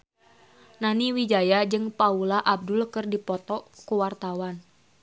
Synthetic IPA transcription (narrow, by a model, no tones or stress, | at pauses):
naniwid͡ʒajad͡ʒɨŋpaulaʔab̚dulkɨrdipɔt̪ɔkuwart̪awan